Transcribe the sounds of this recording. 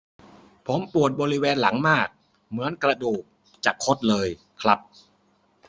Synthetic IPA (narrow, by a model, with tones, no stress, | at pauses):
pʰo˩˦mpu˨˩ət̪̚bɔː˧ɾi˦˥wɛː˧nla˩˦ŋmaː˥˩k̚ | mɯ˩˦ənkɾa˧duː˨˩k̚ | t͡ɕaː˨˩kʰːo˦˥t̪̚lɤː˧j | kʰɾa˦˥p̚